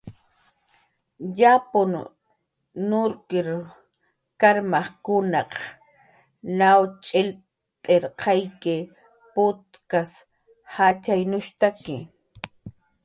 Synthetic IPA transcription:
japʊn | nʊɾkɪɾ | kaɾmaχkʊnɑq | nawt͡ʃʼɪl | t̪ʼeɾqʰɑjkɪ | pʊt̪̚kas | hat͡ʃajnʊʃt̪akɪ

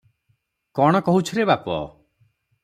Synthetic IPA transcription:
kɔɽ̃ɔkɔɦut͡ʃʰɔɾebapɔ̰

